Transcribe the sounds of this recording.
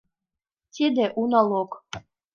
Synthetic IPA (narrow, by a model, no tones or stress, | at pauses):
t̪ʲʰid̪eʔunalˠok